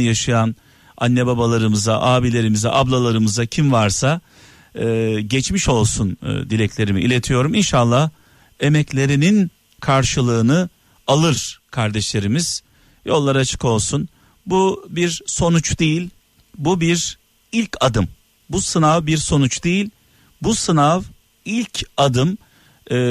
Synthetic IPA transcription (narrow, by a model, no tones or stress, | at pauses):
jaʃɯjan | anːɛbabalˠaɾɯmɯzaʔaːbilʲe̞ɾimizɛ̰ʔablˠalˠaɾɯmɯzacʰimvaɾsaː | ɟɛt͡ʃmiʃo̞lˠsund̪ilʲɛclʲe̞ɾimiʔːlʲe̞t̪ʰijo̞ɾuminʃalˠːah | e̞mɛclʲe̞ɾinin | kʰaɾʃɯlˠɯːnɯ | alˠɯɾ̥kʰaɾd̪ɛʃlʲe̞ɾimiz̥ | jo̞lˠːaɾat͡ʃʰɯ̥ko̞lˠsun | bubiɾso̞nut͡ʃd̪ejilʲ | bubiɾ | ilʲcʰad̪ɯm | busɯnavbiɾso̞nut͡ʃd̪ejilʲ | busɯnav | ilʲcʰad̪ɯmː